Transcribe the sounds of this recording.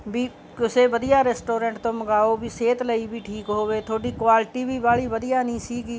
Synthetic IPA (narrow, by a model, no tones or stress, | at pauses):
bʱiː | ʊseːbəd̪ɪjaːɾeːsʈoːɾẽːɳʈt̪õːməɡaːoːbʱiːseːt̪ləibʱiːʈʰiːkɦoːʋeːt̪ʰoːɽiːkʋaːlʈiːbʱiːbaːɭiːbəd̪ɪjaːnĩːsiːɡiː